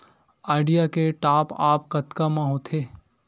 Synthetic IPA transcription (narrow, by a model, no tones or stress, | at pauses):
aːɪɖijakeʈaːpaːpkət̪kamãɦoːt̪ʰeː